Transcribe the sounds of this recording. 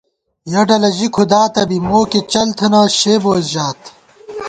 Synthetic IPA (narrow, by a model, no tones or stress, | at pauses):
jɐɖɐlɐʑikʰud̪aːt̪ɐbimoːket͡ɕɐlt̪ʰɐnaːɕeːboːzʑaːt̪